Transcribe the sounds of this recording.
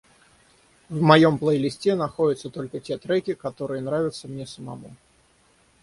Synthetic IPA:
vmɐjo̞mplˠəjlʲɪsʲtʲenɐxodʲɪt̪sət̪o̞lʲkətʲet̪ɾɛkʲɪkɐt̪o̞ɾɨjənɾavʲɪt̪səmnʲesəmɐ̰mu

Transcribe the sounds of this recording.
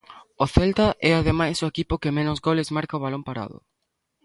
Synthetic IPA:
ʊθelt̪aʔɛaðemajsʊekipʊkɪmẽnʊzɣolɪzmaɾkaoβalompaɾa̰ðʊ̰

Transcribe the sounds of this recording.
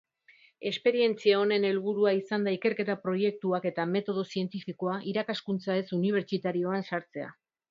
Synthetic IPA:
e̞spe̞ɾie̞nt͡siao̞ne̞ne̞lβ̞uɾuaisand̪aike̞ɾke̞t̪apɾo̞je̞k̚t̪uake̞t̪ame̞t̪o̞ð̞o̞sie̞nt̪ifiko̞aʔiɾakaskunt͡sae̞suniβ̞e̞ɾt͡ʃit̪aɾio̞ansaɾt͡se̞a̰

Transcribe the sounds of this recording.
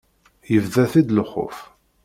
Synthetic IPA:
jəvðæθid̪ləχo̰f

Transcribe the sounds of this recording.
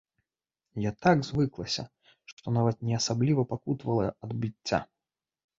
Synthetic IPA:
jat̪aɡzvɨklˠɐsʲɐ̰ | ʂt̪ɔnavɐt̪̚nʲɛɐsablʲivɐpakut̪vɐlˠɐɐd̪bʲɨt͡sʲːa̰

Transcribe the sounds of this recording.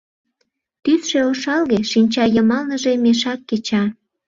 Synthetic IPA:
t̪ysʃeoʃɑlɣeʃinʲt͡ɕɑjəmɑlnəʒemeʃɑkːet͡ɕɑ

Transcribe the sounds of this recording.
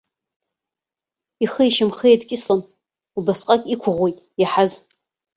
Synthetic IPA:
iχəjʃɪmχejdkʲʼɪslan | ubasqʼakʲʼikʷʰʊʁʷejtʼjaħaz

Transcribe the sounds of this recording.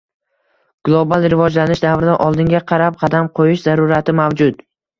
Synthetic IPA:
ɡ̥lˠobalˠɾɪvɒd͡ʒlanɪʃd̪avɾɪd̪aʔɒlˠd̪ɪŋɡʲaqʰɑɾap̚qʰɑd̪amqʰojɪʃzaɾʊɾat̪ʰɪmavd͡ʒʊd̪

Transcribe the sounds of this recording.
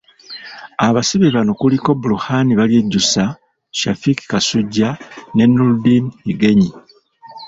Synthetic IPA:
aβasiβeβano̞kuliko̞buluhaniβalje̞ɟːusa | ʃafiki̥kasuɟːane̞nːuldiniɡe̞ɲi

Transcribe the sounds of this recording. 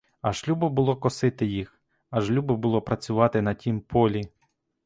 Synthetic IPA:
ɐʒlʲubɔbʊlˠɔkɔsɪt̪ɪjix | ɐʒlʲubɔbʊlˠɔpɾɐt͡sʲʊʋɑt̪ɪnɐtʲimpʰɔlʲi

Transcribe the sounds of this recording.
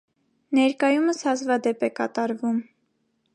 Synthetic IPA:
nɛɾkɑjuməshɑzvɑd̪ɛpɛkɑt̪ɑɾvum

